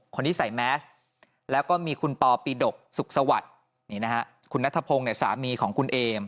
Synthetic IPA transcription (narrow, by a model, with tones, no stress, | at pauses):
kʰo˧nt̪ʰiː˥˩sa˩˦jmɛː˦˥s | lɛː˦˥wkɔː˥˩miː˧kʰu˧npɔː˧piː˧do˨˩k̚su˨˩k̚sa˧wa̰˨˩t̪̚ | niː˦˥˩na˦˥ha˦˥ʔ | kʰu˧nːa˦˥t̪ʰa˧pʰoː˧ŋni˥˩ɐsa̰ː˩˦miː˧kʰɔː˩˦ŋkʰu˧nʔeː˧m